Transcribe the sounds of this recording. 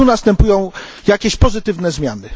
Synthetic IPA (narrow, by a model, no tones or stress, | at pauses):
unast̪ɛmpujɔ̃w̃ | jakʲeɕpɔzɘt̪ɘvnɛzmʲja̰nɘ